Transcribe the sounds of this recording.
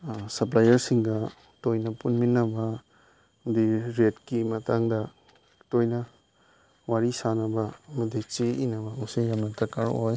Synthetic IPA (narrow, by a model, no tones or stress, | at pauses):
sɐp̬lajɐɾsiŋɡɐ | tojnɐpunminːɐbɐ | diɾetkimɐtʰaŋdɐ | tojnɐ | waɾisanɐbɐːmɐdit͡ʃeinɐbɐmusijamnɐtɐkaɾoj